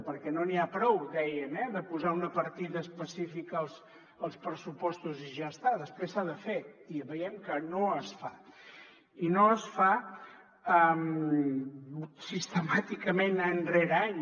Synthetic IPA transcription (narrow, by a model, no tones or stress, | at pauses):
pəɾkɛnoniapɾɔwd̪ɛjəmɛðəpuzaunəpəɾt̪iðəːspəsifikəːlˠs | əlˠspɾəsupɔst̪uziʒaəst̪aðəspɾesːaðəfeiβəjɛmkənoəsfa | inoəsfa | əm | sist̪əmat̪ikəmenənreɾaɲ